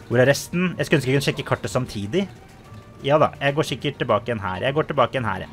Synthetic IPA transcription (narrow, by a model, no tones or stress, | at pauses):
ʋʊɾæɾɛst̪njʔæ̰ɪskʉœnskəkʉnəʃɛkːəkʰɑʈːəsɑmt̪ʰiːd̪ɪ | jɑːd̪ɑ̰jæɪɡoːʂɪkːəʈ̚t̪ɪlbɑːkəɛnɦæ̰ːɾjæɪɡoːʈɪlbɑːkəɛnɦæ̰ːɾ̰